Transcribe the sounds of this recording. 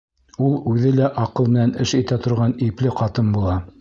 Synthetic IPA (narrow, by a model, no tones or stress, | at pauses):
ulˠʉðɘlæʔɑqɤlˠmɘ̆nænɘʃit̪æt̪ʰŏɾʁɑniplɘqɑt̪ɤnbulˠɑ